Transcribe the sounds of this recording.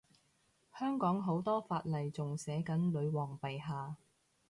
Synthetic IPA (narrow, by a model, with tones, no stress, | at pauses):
hœː˥ŋkɔː˨˥ŋɦo˨˥wt̪ɔː˥faː˧t̚lɐ˨jt͡sʊ˨ŋsɛː˨˥kɐ˨˥nlɵ˨˧ɥwɔː˨ŋpe˨jɦaː˨˧